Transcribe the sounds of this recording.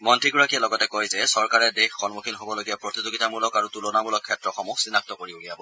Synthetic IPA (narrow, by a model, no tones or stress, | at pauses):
mɔntʰiɡɔɹakijɛlɔɡɔtɛkojzɛsɔɹkaɹɛdexːɔnmukʰinɦobɔloɡijapɹotizoɡitamulɔkaɹutulɔnamulɔkʰːɛtɹɔxɔmuksinak̚tɔkoɹiulijabɔ